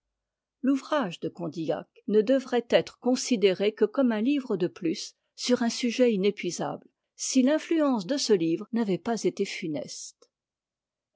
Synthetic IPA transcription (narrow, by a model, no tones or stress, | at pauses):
luvʁaʒd̪əkɔ̃d̪ia̰k | nəd̪əvʁɛt̪ɛt̪χəkɔ̃sid̪eʁekəkɔmɛ̃livʁəd̪əplysː | yʁɛ̃syʒɛinepɥiza̰bl | silɛ̃flyɑ̃sd̪əsəlivʁnavɛpazet̪efynɛ̰st̪